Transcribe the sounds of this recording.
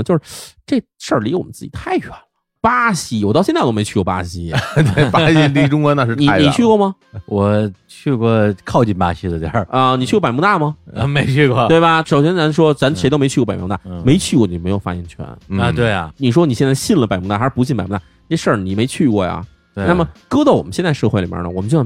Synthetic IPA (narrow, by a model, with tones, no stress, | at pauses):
t͡ɕjʂ̩˧ʈ͡ʂe˥˩ | ʂə˞˥˩li˧˥wɔ˨˩mə˦nt͡sɹ̩˥˩t͡ɕi˨˩t̪ʰa˥˩ɪɕwɛ˨˩nə˩ | pa˥ɕi˧˥wɔ˨˩t̪ɑ˥˧ʊɕɛ˥˧n˥˧to˥me˧˥ɪt͡ɕʰy˥˧kwɔ˥˧pa̰˥ɕi˧˥t̪we˥˩pa˥ɕi˥˧ni˥˧˩ʈ͡ʂʊ˥ŋkɔ˧˥na˥˧ʂɻ̩˧tni˧a˧˥ni˨˩t͡ɕʰy˥˧kwɔ˥˩mɐ˧ | wɔ˨˩t͡ɕʰy˥˧kwɔ˥˩kʰɑ˥˧ʊt͡ɕi˥˩npa̰˥ɕi˥d̪ə˨˩tə˧ni˨˩t͡ɕʰy˥˧wɔ˥pa˨˩mu˥˧˥a˥˩mɐ˩˧˩me˧˥ɪt͡ɕʰy˥˧kwɔ˥˩t̪we˥˩ɪbɐ˩ʂo˨˩ʊɕjɛ˥nt͡sa˧˥nʂwɔ˥ɻa˧˥nʂe˧˥t̪o˥me˧˥ɪt͡ɕʰy˥˧˥pt̪a˥˩me˧˥ɪt͡ɕʰy˥˧kwɔ˥˩ni˨˩˥m˧˥ɪjo˨˩fa˥˩jɛ˥˩nt͡ɕʰɥɛ̰˧˥n˥˧t̪we˥˩ɪa̰˩ni˨˩ʂ̬wɔ˥ni˨˩ɕjɛ˥˧nt͡sa˥˧ɪɕi˥˩nlə˩pa˨˩ɪmu˧˥˧a˥˩˧pu˧˥i˥˩pa˨˩ɪmu˥˩a˥˩˥ɛ˥ʂə˥˩ni˨˩me˧˥ɪt͡ɕʰy˥˧kwɔ˥˩ja̰˩ | t̪wna˥˩mə˩kɤ˥t͡sa˥˩ɪwɔ˨˩mə˦ɕjnt͡sa˥˧ʂɤ˥˧xe˥˩ɪli˨˩mjə̰˞˧˩nə̰˨ɔ˨˩mə˦t͡ɕo˥˧˩